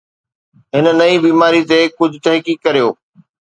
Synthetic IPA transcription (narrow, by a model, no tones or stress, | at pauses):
ɦɪnənɐibiːmaːɾit̪ekʊd̪ʱɪt̪ɐɦkiːkːɐɾijoː